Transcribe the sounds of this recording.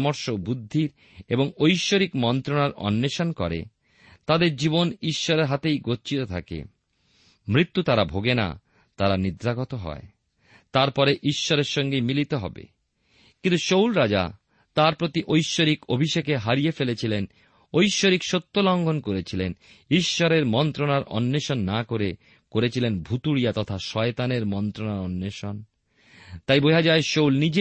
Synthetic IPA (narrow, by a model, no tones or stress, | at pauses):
moɾʃobud̪ʱːiɾ | eboŋojʃːoɾikmɔnt̪ɾonaɾɔ̰nːeʃonkɔɾḛ | t̪ad̪eɾd͡ʑiboniʃːɔɾeɾɦat̪ejɡotːt͡ɕit̪ot̪ʰa̰kḛ | mɾit̪ːut̪aɾabʱoɡena̰ | t̪aɾanid̪ɾaɡɔt̪oɦɔ̰e | t̪aɾpɔɾeʔiʃːɔɾeɾʃɔŋɡejmilit̪eɦɔ̰bḛ | kint̪uʃowlɾad͡ʑa̰ | t̪aɾpɾot̪iʔojʃːoɾikobʱiʃekeɦaɾiefelet͡ɕʰilen | ojʃːoɾikʃot̪ːolɔŋɡʱonkoɾet͡ɕʰilen | iʃːɔɾeɾmɔnt̪ɾonaɾʔɔ̰nːeʃonːakoɾe | koɾet͡ɕʰilenbʱut̪uɾijat̪ɔt̪ʰaʃɔet̪aneɾmɔnt̪ɾonaɾɔnːeʃon | t̪ajbojad͡ʑaeʃowlnid͡ʑe